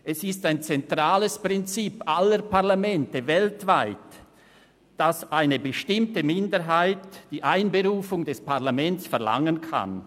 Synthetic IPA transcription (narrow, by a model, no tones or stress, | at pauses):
ʔɛsɪstaɪnt͡sɛntʁaːləspʁɪnt͡siːpaləɾpʰaʁlamɛntəvɛltv̥aɪt | d̥asʔaɪnəbəʃtɪmtəmɪndəɦaɪtd̥iːʔaɪnbəʁuːfʊŋdɛspʰaʁlamɛnt͡sfɛʁla̰ŋənkʰa̰n